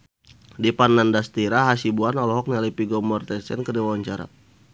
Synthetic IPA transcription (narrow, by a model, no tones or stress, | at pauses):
dipanːandast̪iɾaɦasibuanalɔɦɔk̚nalipiɡɔmɔrt̪ɛsɛ̰nkərdiwawaɲt͡ʃaɾa̰